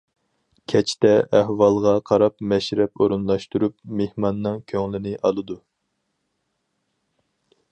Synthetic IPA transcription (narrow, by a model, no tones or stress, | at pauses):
kʲʰɛt͡ʃʰt̪ɛʔːhwɑlˠʁɑqʰɑɾɑpmɛʃɾɛpoɾunlˠɑʃt̪uɾupmehmɑnːɨŋkʲʰøŋlɪnɪʔɑlˠɨd̪u